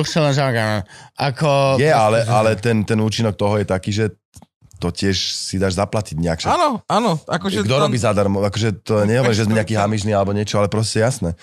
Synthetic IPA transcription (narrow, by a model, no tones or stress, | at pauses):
uxsɛlaʒaɡaʔakɔjɛaalɛʔalɛt̪ɛnt̪ɛnuːt͡ʃinɔk̚t̪ɔɦɔjɛt̪akiːʒɛ | t̪ɔcɪɛʃsid̪aːʒzaplaciɟɲɛakʃanɔanɔakɔʒɛɡd̪ɔɾɔbiːzad̪aɾmɔakɔʒɛt̪ɔɛɲɛɦɔʋɔɾiʒɛzmɛɲɛakiːɦamiʒnialɛbɔɲɪɛt͡ʃɔalɛpɾɔs̬cɛjasnɛ